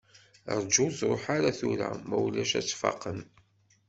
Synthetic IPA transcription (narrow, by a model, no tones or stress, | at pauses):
ɾˤd͡ʒuzɾˤoħaɾaθuɾa̰mæwlæʃæt͡sːfɑ̰qən